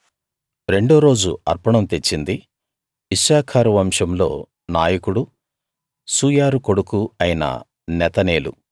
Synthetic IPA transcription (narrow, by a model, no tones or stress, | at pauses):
ɾe̞ɳɖoːɾo̞ːd͡ʒṵɐɾpɐɳɐmt̪e̞t͡ʃːind̪i | ʋiʃaːkʰaːɾɐʋɐmʂɐmlo̞̰ː | naːjɐkuɽu | suːjaːɾuko̞ɽukuɐjinɐ̰ | nɛt̪ɐneːlṵ